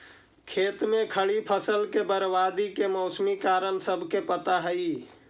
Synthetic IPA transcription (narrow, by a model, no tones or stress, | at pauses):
kʰeːt̪mẽkʰəɭipʰəsəlkebəɾʋad̪ikemɔʊsmikaːɾənsəbʱkepət̪aɦəi